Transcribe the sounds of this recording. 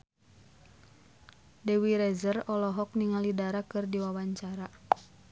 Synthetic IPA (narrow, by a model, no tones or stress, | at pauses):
dɛwiɾɛzərɔlɔɦɔk̚niŋalidaɾakɨrdiwawaɲt͡ʃaɾa